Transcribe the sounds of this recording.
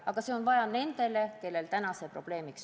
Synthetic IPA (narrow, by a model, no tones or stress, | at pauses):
ɑɡ̥ɑse̞o̞nvɑjɑne̞nd̪̥e̞le̞ke̞lːe̞lt̪ænɑse̞pro̞̰b̥le̞ːmiks